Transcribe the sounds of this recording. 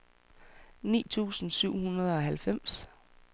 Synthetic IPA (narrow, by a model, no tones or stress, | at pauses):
nḭːt͡sʰṵːsn̩syʊ̰hunɐð̞ˠɒ̽ɦælfem̰s